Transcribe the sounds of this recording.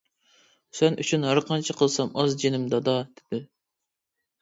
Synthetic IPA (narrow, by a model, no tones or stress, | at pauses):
sɛnʔyt͡ʃʰynɦæɾqɑnt͡ʃʰɪqʰəlˠsɑmɑzd͡ʒenɪmd̪ɑd̪ɑd̪̥ɪd̪̥ɪ